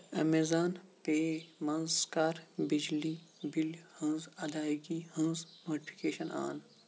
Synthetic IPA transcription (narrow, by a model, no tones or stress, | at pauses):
ɐ̰mezaːnpeːmɐ̃nzkaːɾbid͡ʒlibilhə̃zɐd̪aːiɡihə̃nzmoːɖipʰi̥keːʃɐnʔa̰ːn